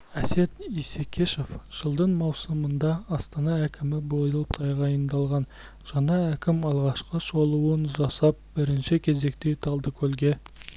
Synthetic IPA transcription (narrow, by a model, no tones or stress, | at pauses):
æse̞t̪isekʲʰeʃe̞fʒ̥əlˠd̪əɴmɑwsəmənd̪ɑːst̪ɑnɑækʲʰɪmɪbo̞jəlˠəp̚t̪ʰɑjʁɑjənd̪ɑlˠʁɑn | ʒ̥ɑnɑækʲɪmɑlˠʁɑʃqəʃo̞lˠuwənʒɑsɑp̚bɪɾɪnʃɪkʲʰe̞ze̞kt̪e̞jt̪ʰɑlˠd̪əkʲʰɵlɡʲe̞